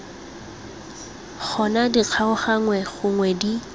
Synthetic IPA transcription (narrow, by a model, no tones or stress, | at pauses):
k͡xʰɔnadiq͡χʰaʊχaŋwɛχʊŋwɛdi